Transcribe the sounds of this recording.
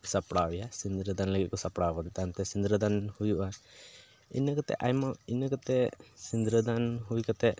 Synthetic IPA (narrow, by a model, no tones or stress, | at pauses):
sapɽawɛjasind̪ɾəd̪anləɡit̪̚kɔsapɽakɔd̪ɛt̪amt̪ɛsind̪ɾəd̪anhujuʔa | ḭnəkat̪ɛ̰ʔajmainəkat̪ɛsind̪ɾəd̪anɦuikat̪ɛ